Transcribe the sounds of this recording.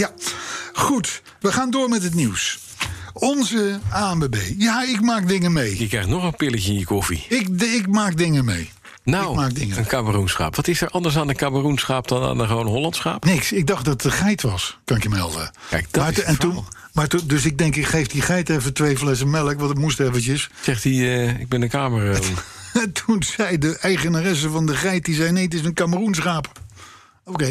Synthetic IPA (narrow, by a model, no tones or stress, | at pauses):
ja | χut | ʋəχaːndʊːɹmɛtət̬niws | ɔnzəaːɛmbebejjaːɪkmaːk̚dɪŋəmejjəkrɛjχnɔχənpɪləçəɪnjəkɔfḭɪkɪk̚maːk̚dɪŋəmḛj | naɪkwmaːk̚dɪŋəənkaːmərunsχa̰ːpʋɑtɪsəɹʔɑndəɹs̬aːnəkaːmərunsχaːp̚dɑna̰ːnəχəʋownɦolɑntsχa̰ːpnɪksɪɡ̚dɑχt̚dɑtəχɛjtʋɑskɑnɪkjəmɛ̰lˠdə̰ɛkdmaɹɛnun | maːtundɵsɪɡ̚dɛŋkɪkχejfdiχɛjtɛfətʋejflɛs̬əmɛləkʋɑntətmustɛvənt͡ʃəssɛχtiɪɡ̚bɛnəkaːmərntʰunz̥ɛjdəʔɛjχənarɛs̬əvɑndəχɛjt̚dizɛjnejtɪs̬ənkaːmərunsχaːp | okej